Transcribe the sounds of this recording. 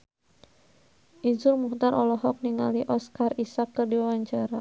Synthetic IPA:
ʔizʊrmuht̪aɾʔɔlɔɦɔk̚niŋa̰liʔɔskarisakːərdiwawaɲt͡ʃaɾa

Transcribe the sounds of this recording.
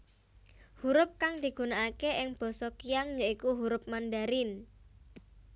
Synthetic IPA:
huɾʊp̚kaŋd̪̥i̤ɡ̥ṳnaʔakeʔɪŋb̥ɔ̤sɔkijaŋjaikuɦuɾʊp̚manɖaɾɪn

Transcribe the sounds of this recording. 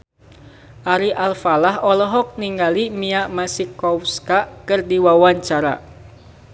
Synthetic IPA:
ʔaɾiʔalfalaɦɔlɔɦɔk̚niŋɡalimiaʔmasikɔfskakɨrdiwawaɲt͡ʃaɾa̰

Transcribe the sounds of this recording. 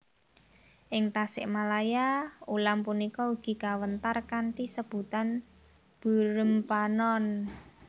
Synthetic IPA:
ʔɪŋt̪asɪʔmalajaulampunikɔuɡ̥i̤kawənt̪arkaɳʈisəb̥ṳt̪an | b̥ṳɾəmpanɔn

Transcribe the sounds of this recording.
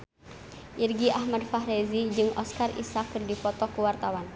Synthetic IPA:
ʔirɡiʔahmadfaɦrezid͡ʒɨŋʔɔskarḭsakːərdipɔt̪ɔkuwart̪awan

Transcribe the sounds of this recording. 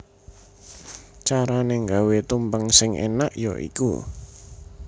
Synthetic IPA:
t͡ʃaɾaneŋɡawet̪umbəŋsɪŋʔḛnaʔjɔ̰ʔḭkṵ

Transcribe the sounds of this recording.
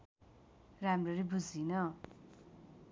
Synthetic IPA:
ramrʌɾibud͡zinʌ

